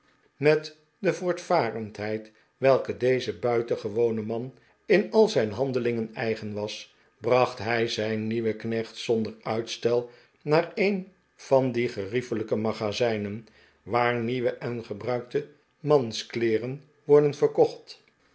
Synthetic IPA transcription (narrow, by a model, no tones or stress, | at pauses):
mɛt | dəvʊːɹtfaːrəntɦɛjt | ʋɛlˠkədejzəbœɥtəχəʋownəmɑn | ɪnɑlˠzɛjnɦɑndəlɪŋənɛjχənʋɑs | brɑχtɦɛjzɛjnːiʋəknɛχtsɔndəɹœɥtstɛlˠ | naːɹen | v̥ɑndiχərifələkəmaχazɛjnən | ʋaːɹniʋəʔɛnχəbrœɥk̚tə | mɑnsklɪːrən | ʋɔɹdənvəɹkɔχt